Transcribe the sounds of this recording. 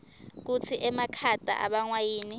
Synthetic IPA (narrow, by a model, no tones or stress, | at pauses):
k̬ut͡sʰiʔɛmakʰatʼa̰ʔa̰ɓaŋwajiːni